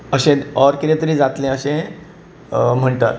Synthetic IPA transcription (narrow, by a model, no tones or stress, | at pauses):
əɕẽɔɾkit̪ẽt̪əɾĩd͡zat̪lẽəɕẽ | m̤əɳʈa̰ɾ